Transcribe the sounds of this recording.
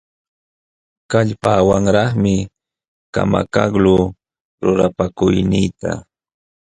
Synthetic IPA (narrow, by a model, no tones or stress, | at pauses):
kaʎpaːwaŋɾɑχmɪ | ka̰ma̰kaɡlʊ | ɾʊɾapakʊjnɪjt̪a̰